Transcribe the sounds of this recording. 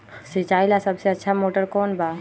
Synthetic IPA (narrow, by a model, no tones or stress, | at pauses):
sit͡ʃaːilasəbseətːʃʰamoʈəɾkɔːnba